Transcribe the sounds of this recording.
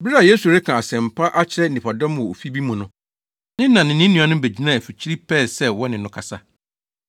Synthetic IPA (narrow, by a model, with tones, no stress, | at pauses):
bɪ˦ɾa˨je˦su˨ɾɛ˦kʰã˨a˨sɛ̃˨m˨pʰa˦ʔa˦t͡ɕʰɪ˦ɾɛ˦˨nĩ˨pʰa˨dɔ̃˦m˨ɔ˨o˨fi˦bi˦mũ˨nʊ̃˦ | nɪ̃˦ã˨nɪ̃˨nɪ̃˦nũ˨ã˨˦nʊ̃˦be˨d͡ʑi˦nã˦˨fi˨t͡ɕʰi˦ɾi˦pʰɛː˦˨sɛ˦wɔ˦nɪ̃˨nʊ̃˦kʰa˨sa˦